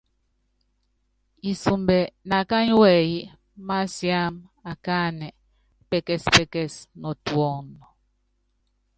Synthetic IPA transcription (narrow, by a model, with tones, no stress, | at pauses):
i˨su˨mbɛ˨na˨ka˦ni˦wɛ˨ji˦ | ma˦sja˦ma˨kaː˦nɛ˨ | pɛ˦kɛ˦spɛ˦kɛ˦snɔ˨twɔ˦˨ŋnɔ˨